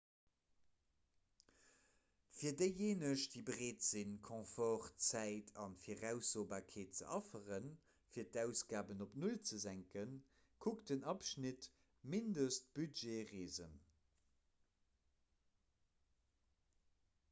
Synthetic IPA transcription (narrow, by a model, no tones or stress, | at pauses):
fiːɐdəɪjeːnəʃd̥iːbəʁeːtz̥inkʰɔ̃fɔχt͡sæɪtʰɑnfiːɐʁæʊsoːbaːkʰeːt̚t͡sə̰ʔɑfəʁən | fiːɐtæʊsɡ̥aːbənopnult͡səzæŋkən | kʰuktdənɑpʃnit | mindəst̚b̥ydʒeʁiːzə̰n